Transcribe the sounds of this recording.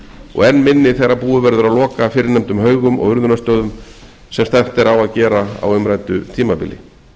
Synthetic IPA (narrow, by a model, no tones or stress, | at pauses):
ɔ̰ɣɛnːmɪnːɪθejɾapuːðʏvɛɾðʏɾawlɔːkafɪːɾɪɾnɛmt̪ʏmhœːɥɣʏmɔ̰ɣʏɾðʏnast̪œːɥðʏm | sɛmst̪aft̪ɛɾawaðcɛːɾaa̰wʏmɾajt̪ʏt̪ʰiːmapɪ̰lɪ̰